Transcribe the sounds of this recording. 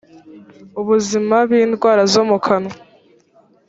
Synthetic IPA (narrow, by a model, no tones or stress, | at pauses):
uβuzimaβiːndɡwaːɾazomukʰano